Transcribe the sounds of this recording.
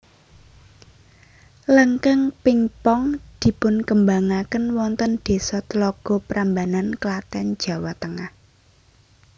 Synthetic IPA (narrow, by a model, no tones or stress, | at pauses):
ləŋkɪŋpɪŋpɔŋd̪̥i̤pʊnkəmbaŋakənwɔnt̪ənd̪̥e̤sɔt̪əlɔɡ̥ɔ̤pəɾambanankəlat̪ɛnd̥d͡ʒʒ̥a̤wat̪əŋah